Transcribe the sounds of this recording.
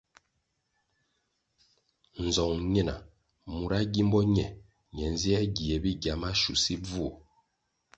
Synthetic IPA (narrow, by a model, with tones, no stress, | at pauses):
n̩˨zɔ˨ŋɲɛ˦na̰˨ | mu˨ɾa˦ɡi˦mbɔ˦ɲɛ˨ | ɲɛ˨n˦zi˦ɛ˦ɡi˨ɛ˨bi˦ɡja˨ma˦ʃu˨si˦b͡vu˦ɔ˨